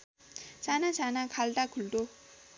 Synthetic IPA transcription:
t͡ɕanat͡ɕanakaɭdakuɭdo

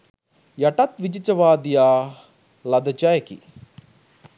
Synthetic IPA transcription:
jɐʈɐt̪ʋid͡ʒit͡ʃɐʋaːd̪ijaː | lɐd̪ɐt͡ʃajkḭ

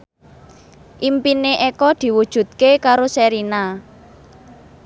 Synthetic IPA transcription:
ʔimpineʔekɔd̪̥i̤wud̥ʒ̥ṳt̪̚kekaɾosɛɾina

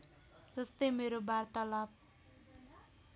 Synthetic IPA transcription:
d͡zʌst̪ʌjmeɾobart̪ʌlab̚

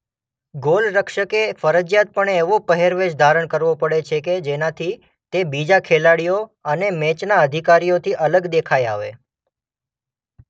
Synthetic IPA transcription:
ɡolɾəkʃəkefəɾəd͡ʒjat̪̚pəɳeːʋopəɦeɾʋeʃd̪ʱaɾəɳ̃kəɾʋopəɽet͡ʃʰeked͡ʒenat̪ʰi | t̪ebid͡ʒakʰelaɽijoənemet͡ʃnaəd̪ʱikaɾijot̪ʰiʔələɡd̪ekʰajaʋḛ

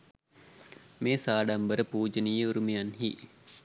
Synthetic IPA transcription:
meːsaːɖambəɾəpuːd͡ʒənijəuɾumejanɦḭː

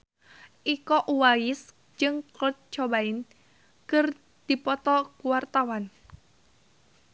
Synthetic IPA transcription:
ʔikɔʔuwajɪs | d͡ʒɨŋkɔt̪̚t͡ʃɔbaɪn | kɨr | d̪̥ipɔt̪ɔkuwart̪awan

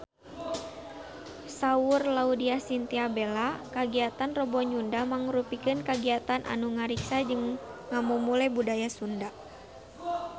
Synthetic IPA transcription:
saurlaudiasint̪iabɛlakaɡiat̪anrəbɔɲundamaŋɾupikɨnkaɡiat̪anʔa̰nuŋaɾiksad͡ʒəŋŋamumulɛbudajasunda

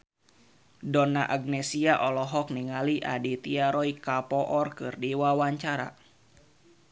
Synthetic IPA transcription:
dɔnaʔaɡ̚nɛsiaʔɔlɔɦɔk̚niŋaliʔadit̪iaɾɔikapɔʔɔrkɨrdiwawaɲt͡ʃaɾa̰

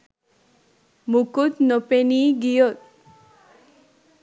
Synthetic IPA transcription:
mukut̪nɔpeniɡijɔt̪̚

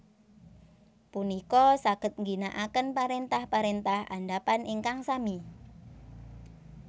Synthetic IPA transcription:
punikɔsaɡ̥ə̤t̪̚ŋɡinaʔakənpaɾent̪ahpaɾent̪aha̰ndapanʔeŋkaŋsami

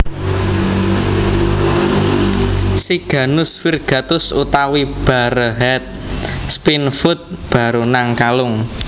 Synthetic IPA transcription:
siɡ̥ä̤nʊsfirɡ̥ä̤t̪ʊsut̪awib̥a̤ɾəɦɛt̪̚spinfʊt̪̚b̥ä̤ɾonaŋkalʊŋ

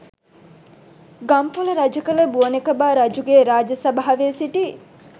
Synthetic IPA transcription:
ɡɐmpoləɾad͡ʒəkələbuənekɐbaːɾɐd͡ʒuɡeːɾaːd͡ʒɐsɐbaɦɐʋeːsiʈi

